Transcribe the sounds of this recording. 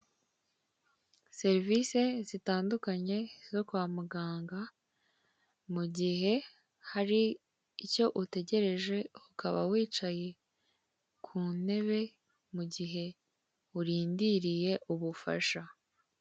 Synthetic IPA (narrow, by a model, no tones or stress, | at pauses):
se̞ɾvise̞zitaːndukaɲe̞zo̞kwaːmuɡaːŋɡa | muɟiɦe̞ | haɾiː | co̞ʔute̞ɟe̞ɾe̞ʒe̞ukʰaβa̰wiːt͡ʃaje̞ | kʰuːne̞βe̞ | muɟiɦe̞ | uɾiːndiɾije̞ʔuβufa̰ʃa